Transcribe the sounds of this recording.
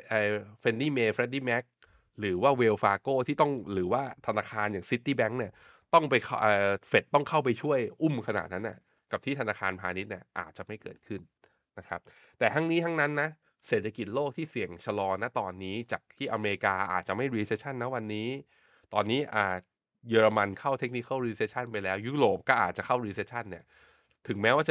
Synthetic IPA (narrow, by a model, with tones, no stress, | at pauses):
ʔəː˧fe˧ndiː˥˩meː˧fɾɛ˦˥t̚diː˥˩mɛ˦˥k̚ | ɾɯː˩˦waː˥˩weː˧wfaː˧koː˥˩t̪ʰiː˥˩t̪ɔ˥˩ŋɾɯː˩˦waː˥˩t̪ʰa˧naː˧kʰaː˧njaː˨˩ŋsi˦˥t̪ːiː˥˩bɛ˦˥ŋni˥˩ɐ | t̪ɔ˥˩ŋpa˧jʰʔːfe˨˩t̪̚ːɔ˥˩ŋkʰa˥˩wp̬a˧jt͡ɕʰu˥˩əjʔu˥˩mkʰa˧na̰ː˨˩t̪̚na˦˥nːʔa̰˧˩ | ka˨˩p̚t̪ʰiː˥˩t̪ʰa˧naː˧kʰaː˧npʰaː˧ni˦˥t̪̚ni˥˩ɐʔa̰ː˨˩t̪̚t͡ɕa˨˩ʔma˥˩jkɤ̰ː˨˩t̪̚kʰɯ˥˩nː | a˦˥kʰɾa˦˥p̚ | t̪ɛː˨˩t̪ʰa˦˥ŋniː˦˥t̪ʰa˦˥ŋna˦˥nːa˦˥ | seː˨˩t̪ʰa˧ki˨˩t̪̚loː˥˩k̚t̪ʰiː˥˩si˨˩əŋt͡ɕʰa˧lɔː˧na˦˥t̪ɔː˧nːiː˦˥t͡ɕaː˨˩k̚t̪ʰiː˥˩ʔa˧meː˧i˧kaː˧ʔa̰ː˨˩t̪̚t͡ɕa˨˩ma˥˩jɾiː˧seː˧˥t͡ɕʰa˥˩nːa˦˥wa˧nːiː˦˥ | t̪ɔː˧nːiː˦˥ʔaː˨˩t̪̚ | jɤː˧ɾa˧ma˧nkʰa˥˩wt̪ʰe˦˥k̚ni˧kʰa˦˥˩ɾiː˧se˧˥t̚t͡ɕʰa˥˩npa˧jlɛː˦˥wjuː˦˥ɾoː˨˩p̚kɔː˥˩ʔaː˨˩t̪̚t͡ɕa˨˩kʰa˥˩wɾiː˧se˦˥t̚t͡ɕʰa˥˩nːi˥˩ɐ | t̪ʰɯ˨˩˦ŋmɛː˦˥waː˥˩t͡ɕ